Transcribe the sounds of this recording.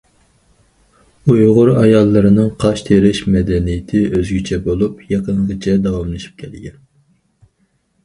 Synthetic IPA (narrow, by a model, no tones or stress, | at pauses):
ujʁʊɾɑjɑlˠːɨɾɨnɨŋqʰɑʃt̪ʰeɾɪʃmɛd̪ɛnijɪt̪ʰɪøzɡʲit͡ʃʰɛbolˠupʰjɑqəŋʁɨt͡ʃʰɛd̪ɑwɑmlˠɨʃi̥p̚kʲʰɛlɪɡʲɛn